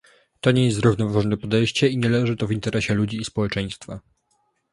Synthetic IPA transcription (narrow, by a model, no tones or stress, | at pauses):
t̪ɔɲɛjɛszɾuvnɔvaʐɔnɛpɔd̪ɛjɕt͡ɕɛiɲɛlɛʐɘt̪ɔvʲint̪ɛɾʔɛɕɛlud͡ʑiːspɔwɛt͡ʂɛj̃st̪fa